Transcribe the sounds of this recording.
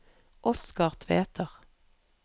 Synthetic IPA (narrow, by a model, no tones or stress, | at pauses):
ʔɔskɑʁt̪ʰʋeːt̪ʰəʁ